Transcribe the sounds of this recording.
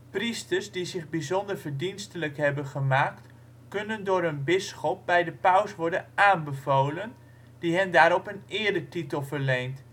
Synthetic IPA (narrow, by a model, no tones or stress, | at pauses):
pristəɹsdizɪχbizɔndəɹvəɹdinstələkɦɛbənχəmaːkt | kɵnəndoːɾənbɪsxɔp̚bɛjdəpawsʋɔɹdənʔaːnbəvoːlən | diɦɛndaːɾɔpənɪːəɹdətitəlˠvəɹlejnt